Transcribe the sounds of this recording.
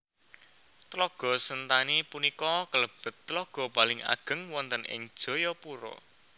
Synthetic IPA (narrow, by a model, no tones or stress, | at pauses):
t̪lɔɡ̥ɔ̤sənt̪anipunikɔkələb̥ə̤t̪ːlɔɡ̥ɔ̤palɪŋa̰ɡ̥ə̤ŋwɔnt̪ənʔɪ̰ŋd̥ʒ̥ɔ̤jɔpuɾɔ̰